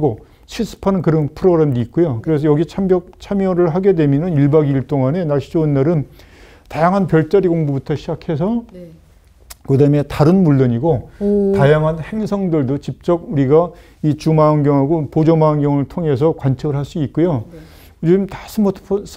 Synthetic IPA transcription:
ɡo | ɕʰis͈ʰɯ̥pʰanɯnkɯɾʌnpʰɯɾoɡɯɾe̞mduit̚k͈ujokɯɾe̞sʰʌjʌɡit͡ɕʰambjʌk̚t͡ɕʰamjʌɾɯɭɦaɡe̞dwe̞mjʌnɯniɭbaɡiɭt͈oŋane̞naɭɕid͡ʑoːnːaɾɯn | tajaŋɦanpjʌɭt͡ɕ͈aɾiɡoŋbubutʰʌɕʰid͡ʑakʰe̞s̬ʰʌ | kɯdaɯme̞taɾɯnmuɭːʌɲiɡotajaŋɦanhe̞ŋsʰʌŋdɯɭdot͡ɕip̚t͡ɕ͈ʌɡ̚uɾiɡa | it͡ɕumaːnɡjʌŋɦaɡopod͡ʑomaːnɡjʌŋɯɭtʰoŋe̞s̬ʰʌkwant͡ɕʰʌɡɯɭɦaɭs͈uit̚k͈ujo | uɾiɯmtḁsʰɯmʌtʰpʰs

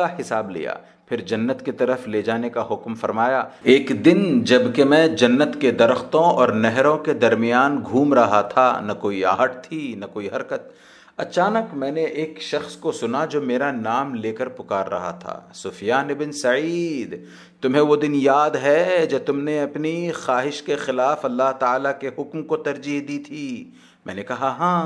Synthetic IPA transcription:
aɦɪsaːblḭja̰ː | pʰɪɾd͡ʒɐnːət̪ket̪ɐɾəfleːd͡ʒaːnekaɦʊkmfɐɾmaːjaːeːkd̪ɪnd͡ʒɐbkemɛ̃ːd͡ʒɐnːət̪ked̪ɐɾəxt̪õɔːɾnɛɦɾõked̪ɐɾmijaːnɡʱuːmɾɐɦat̪ʰanɐkoːia̰ːɦəʈ̚t̪ʰinɐkoːiɦɐɾkət̪̚ | ɐt͡ʃaːnəkmɛ̃ːneʔeːkʃɐxskosʊnad͡ʒoːmeːɾanaːmleːkəɾpʊkaːɾːɐ̰ɦa̰t̪ʰa̰ːsʊfɪjaːnɪbɪnsɐiːd̪ | t̪ʊmɦẽʋod̪ɪnjaːd̪ɦɛd͡ʒɐb̚t̪ʊmneɐpnixaːɦɪʃkexɪlaːfɐlːaɦt̪aaːlakeɦʊkmkot̪ɐɾd͡ʒiɦd̪it̪ʰiː | mɛ̰̃ːnekɐɦaɦãː

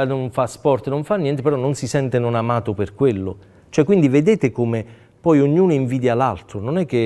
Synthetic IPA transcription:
noɱfaspɔrt̪noɱfanːjɛnt̪epeɾɔnːonsisɛnt̪enonamaːt̪operkwelːo̰ | t͡ʃoɛkːwind̪ived̪eːt̪ekome | pɔjoɲːuːnoiɱviːd̪jalalt̪ɾononɛkːe

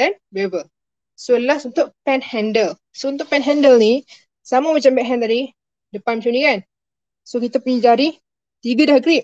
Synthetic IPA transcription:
danbeebə | solasunt̪ʊʔpɛnhɛndəl | sount̪̬ʊʔpɛnɦɛndəlni | samamat͡ʃambɛʔɦɛ̃nt̪aɾi | dəpanmat͡ʃunikan | sokit̪apuɲid͡ʒadi | t̪iɡadahɡɾiʔ̚

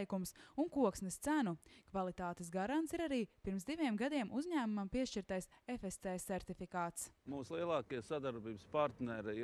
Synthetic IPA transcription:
jkumsuŋkuɔksnɛst̪sænukvalˠit̪aːt̪ɛsɡaɾant̪siɾaɾiːpiɾmsd̪iviɛmɡad̪iɛmʔuzɲæːmumampiɛʃt͡ʃiɾt̪ajsefest̪sɛːsɛɾt̪ifikaːt̪smuːslˠiɛlˠɑːkijsad̪aɾbiːbəspaɾt̪nɛɾɪ

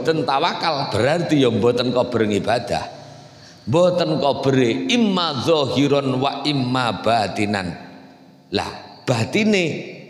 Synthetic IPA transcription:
t̪ənt̪awakalb̥əɾart̪ijɔmbɔt̪ənkɔb̥əɾəŋib̥ad̪̥a̰h | mbɔt̪ənkɔb̥əɾeimːaðɔɦiɾɔnwaʔimːab̥at̪ina̰n | la̰b̥at̪ine

